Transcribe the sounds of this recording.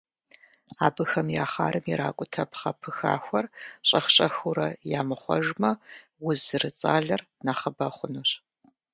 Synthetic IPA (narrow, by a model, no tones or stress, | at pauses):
aːbɨxɐmjaːχa̰ːɾɨmjɛɾaːkʷʼʊtʰɐpʰχɐpʰɨxa̰ːxʷɐrɕʼɐχɕʼɐxuɾɐjaːmɨχʷɔ̰ʒmɐ | wʊzɨrɨt͡sʼaːɮɐr | naːχɐbɐχʷʊnuɕ